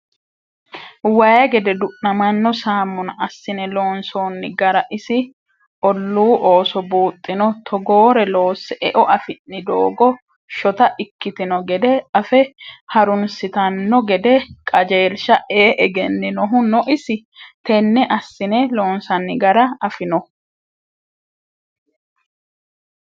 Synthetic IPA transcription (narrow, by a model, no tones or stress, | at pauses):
wɐjɐɡɛd̪ɛd̪ʊʔnɐmɐnːɔsaːmːʊnɐɐsːɪnɛlo̞ːnso̞ːnːɪɡɐɾɐʔɪsɪ | ʔɔlːuːʔoːsɔbuːt̪ʼːɪnɔt̪ʰɔɡoːɾɛlo̞ːsːɛʔɛʔɔʔɐfɪnːɪd̪o̰ːɡɔ | ʃɔt̪ɐʔɪkːɪt̪ɪnɔɡɛd̪ɛɐfɛhɐɾʊnsɪt̪ɐnːɔɡɛd̪ɛkʼɐd͡ʒeːlʃɐʔeːʔɛɡɛnːɪnɔɦʊnɔʔɪsɪ | t̪ɛnːɛʔɐsːɪnɛlo̞ːnsɐnːɪɡɐɾɐɐfɪnɔ